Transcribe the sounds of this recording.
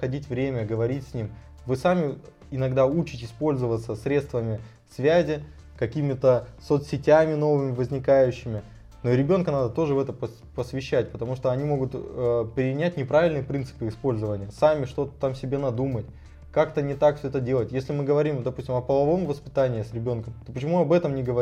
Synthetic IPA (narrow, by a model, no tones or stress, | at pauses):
xɐdʲitʲvɾʲemʲəɡəvɐɾʲitʲsʲnʲim | vɨsamʲɪ | ɪnɐɡd̪aut͡ɕɪtʲɪspo̞lʲzəvət̪səsɾʲet̪st̪vəmʲɪ | svʲæzʲɪ | kɐkʲimʲɪt̪əsot̪sʲɪtʲæmʲɪno̞vɨmʲɪvəzʲnʲɪkajʉɕːɪmʲɪ | noɾʲɪbʲo̞nkənad̪ət̪o̞ʐɨvɛt̪əpə | pəsvʲɪɕːæt̚ʲpət̪ɐmuʂt̪o̞ɐnʲimo̞ɡʊt̪əpɾʲɪnʲætʲnʲɪpɾavʲɪlʲnɨjəpɾʲint̪sɨ̥pɨɪspo̞lʲzəvənʲɪjəsamʲɪʂt̪o̞t̪ə̥t̪amsʲɪbʲe̞nɐd̪umətʲ | kakt̪ənʲɪt̪akfsʲɵɛt̪ədʲe̞lˠətʲjesʲlʲɪmɨɡəvɐɾʲimd̪ɐpusʲtʲɪmɐpəlˠɐvo̞mvəspʲɪt̪anʲɪːsɾʲɪbʲo̞nkəmt̪opət͡ɕɪmuɐbɛt̪əmnʲɪɡəvɐ